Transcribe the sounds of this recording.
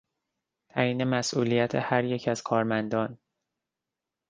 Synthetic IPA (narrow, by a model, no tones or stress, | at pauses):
t̪ʰæjiːne̞mæsʔuːlijæt̪ʰehæɾje̞cʰæz̥kʰɒːɾmænd̪ɒːn